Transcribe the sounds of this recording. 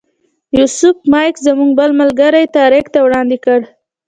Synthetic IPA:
jusʊfmɑjkzamuŋɡ̚bəlməlɡaɾajt̪ɑɾɪkt̪awɽɑnd̪ɪkəɽ

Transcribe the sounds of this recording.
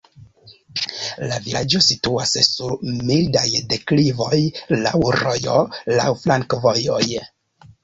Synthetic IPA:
laviad͡ʒo̞situassuɾmildajde̞klivo̞jla̰wɾo̞jo̞la̰wflaŋkvojo̞j

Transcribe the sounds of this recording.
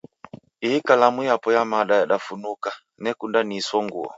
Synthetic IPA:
ihikalamujapɔjamaɗajaɗafunuka | nɛkundanisɔŋɡṵɔ̰

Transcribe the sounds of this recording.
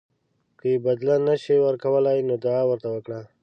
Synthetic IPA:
kəjebad̪lanaʃiwəɾkawəlajnod̪aːwəɾt̪awəkɽa

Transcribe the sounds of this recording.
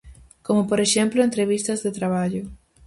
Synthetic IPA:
komopoɾeʃẽmploent̪ɾeβ̞ist̪ɐzðet̪ɾaβaʎo

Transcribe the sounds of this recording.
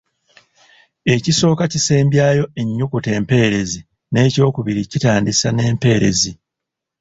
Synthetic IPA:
e̞ciso̞ːkaciseːmbjaːjo̞eɲːukute̞ːmpe̞ːɾe̞zi | ne̞ːco̞ːkuβiɾicitaːndisane̞ːmpe̞ːɾe̞̰zi

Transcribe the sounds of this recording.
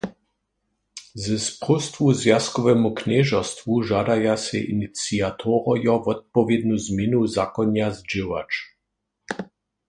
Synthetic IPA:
zɛspʁɔst̪vuzjaskɔvɛmuknɛʒɔst̪vuʒaːd̪ajasɛ̰ʔḭnit͡siat̪ʰɔʁɔjɔvɔt̪̚pɔvjɛd̪nuzmjenuzakɔnjazd͡ʒewa̰t͡ʃ

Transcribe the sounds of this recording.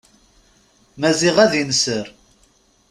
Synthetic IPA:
mæziʁæðinsəɾ

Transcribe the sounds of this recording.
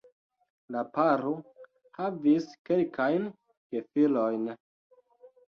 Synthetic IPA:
lapaɾo | haviske̞lkʰajn | ɡefilojn

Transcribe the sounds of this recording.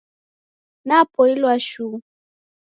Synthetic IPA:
napɔilwaʃu

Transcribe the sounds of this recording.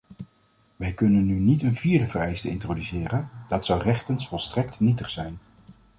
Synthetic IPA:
ʋɛjkɵnənːynitənviːɹdəvərɛjstəɪ̰ntrodysɪːrənd̥ɑtsɑwrɛχtənsfɔlˠstrɛk̚tnitəχsɛjn

